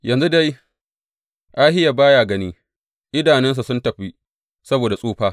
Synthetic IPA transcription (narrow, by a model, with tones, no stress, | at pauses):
jɐ˨nzu˦da˦j | ʔaː˦hɪ˦ja˨baː˦jaː˨ɡɐ˦niː˦ | ʔɪ˦daː˨nɛ˦ns̬u˨sʊ˦ntɐ˨ɸi˦ | sɐ˦boː˨da˨sʼuː˦ɸaː˦